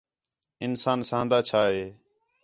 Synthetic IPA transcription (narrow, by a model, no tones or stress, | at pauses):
ɪnsaːnsãːnd̪aːt͡ʃʰaːɦeː